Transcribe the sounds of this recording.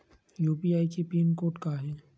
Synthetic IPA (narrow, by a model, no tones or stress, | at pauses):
juːpiaːikepɾiːnkoːʈkaɦɛː